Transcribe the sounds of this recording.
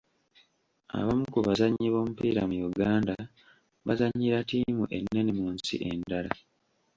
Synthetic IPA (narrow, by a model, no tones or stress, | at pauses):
a̰βamukuβazaɲːiβo̞ːmupiːɾamujuɡaːnda | βazaɲːiɾatiːmuʔenːe̞nimuːnsḭʔe̞ndala